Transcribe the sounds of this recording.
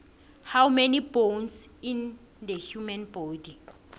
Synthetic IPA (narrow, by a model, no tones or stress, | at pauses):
hawmɛnibonsĩn | d̪əhjumɛ̃nbɔdi